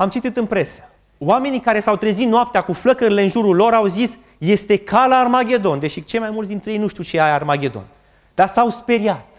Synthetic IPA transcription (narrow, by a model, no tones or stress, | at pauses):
amt͡ʃit̪it̪ɨnpɾe̞sə̥ | wame̞nikaɾe̞sawt̪ɾezit̪noap̚t̪eakufləkəɾile̞ɨnʒuɾulo̞ɾawzis | je̞st̪e̞kʰalaːrmaɡʲe̞d̪o̞nd̪e̞ʃit͡ʃe̞ljmajmult̪sd̪int̪ɾejejnuʃt̪iwt͡ʃeaarmaɡʲe̞d̪o̞̰n | d̪̥asawspe̞ɾiat̪